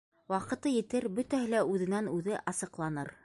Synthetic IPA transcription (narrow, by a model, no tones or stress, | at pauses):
wɑqɤ̆t̪ɤjɘ̆t̪ɘɾbɵt̪æɦɘlæʉðɘ̆nænʉðɘʔɑsɤ̆qlˠɑnɤ̰ɾ